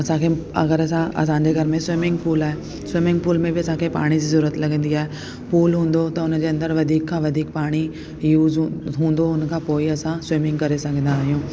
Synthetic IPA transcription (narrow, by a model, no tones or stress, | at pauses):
ɐsãkʰeːɐ̰ɡəɾɐsãʔɐ̰sãɲd͡ʑeɡʱɐɾmẽsʊwɪmɪ̃ŋɡpuːlaːɦe | swɪmɪ̃ŋɡ̚puːlmẽbɪɐsãkʰeːpa̰ːɽ̃id͡ʑiːzɐɾuːət̪lɐɡʱə̃nd̪iaːɦe | puːlɦũːn̆d̪ot̪ɐʊn̆d͡ʑeɐ̃nd̪əɾʋɐd̪ʱiːkʰːãːʋɐd̪ʱiːkpaːɽ̃i | juːzɦũːn̆d̪oʊnkʰãːpoːiɐsãswɪmɪ̃ŋɡkɐɾesɐɡʱə̃nd̪aːɦijũː